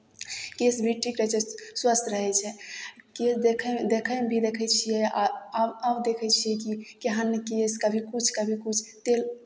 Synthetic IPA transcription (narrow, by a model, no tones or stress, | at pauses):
kesbʱiʈʰikɾəɦɛt͡ʃʰɛswəst̪ɾəɦɛt͡ʃʰɛkesd̪ekʰɛd̪ekʰəmbʱid̪ekʰɛt͡ʃʰijɛaəbd̪ekʰɛt͡ʃʰijɛk̬ikeɦənkeskəbʱikut͡ʃʰkəbʱikut͡ʃʰt̪el